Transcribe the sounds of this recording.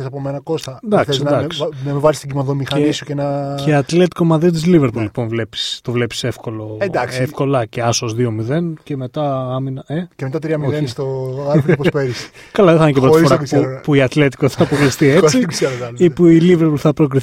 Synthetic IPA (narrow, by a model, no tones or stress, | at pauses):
esɐpomenɐko̞st̪ɐnd̪ɐkθssnd̪ɐsnɐmevɐzist̪ɟimɐðomixɐnisucenɐeɐt̪le̞t̪i̥ko̞mɐðit̪izliveɾpullipo̞nvle̞pi̥st̪o̞vle̞pi̥sefko̞lo̞ed̪ɐksefko̞lɐceɐsozðio̞miðe̞nce̞me̞t̪ɐɐminɐecemet̪at̪ɾiɐmioest̪oɐɾfpopeɾis | kɐlɐðeθɐinecepɾoifoɾatupuiɐt̪le̞t̪i̥koθɐpɾokɾist̪iet͡sisɐɐipuiliveɾpulθɐpɾokɾiθ